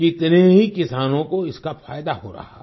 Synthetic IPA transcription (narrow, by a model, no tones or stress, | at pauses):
kɪt̪neɦikɪsaːnõkoɪskafaːjd̪aɦo̰ɾɐ̰ɦa̰